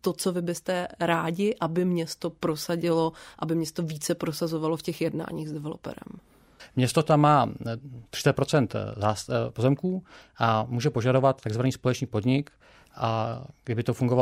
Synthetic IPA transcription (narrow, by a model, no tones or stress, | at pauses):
t̪ot͡so̞vɪbɪst̪ɛɾaːɟɪʔabɪmɲɛst̪o̞pɾosaɟɪloʔabɪmɲɛst̪oviːt͡sɛpɾosazovalo̞fcɛxjɛdna̰ːɲiːɣzdɛvɛlo̞̰pɛ̰ɾɛ̰m | mɲɛst̪ot̪amːaːt̪r̥ɪ̥t͡sɛt̪̚pɾot͡sɛnt̪zaspo̞zɛmkuːʔamuːʒɛpo̞ʒado̞vat̪t̪ːaɡzvaniːspolɛt͡ʃniːpo̞d̪ɲɪk | ʔaɡdɪbɪt̪ofuŋɡova